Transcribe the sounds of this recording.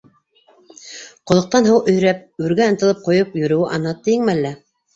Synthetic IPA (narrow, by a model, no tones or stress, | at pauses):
qŏlˠŏq̚t̪ɑnɦɤwʔɵ̆jɾæp̚ʉɾɡæɤ̆nt̪ɤ̆lˠɤp̚qŏjɤpjɵ̆ɾɵ̆wɘʔɑnɑt̪ːɘ̆jɘŋmælːæ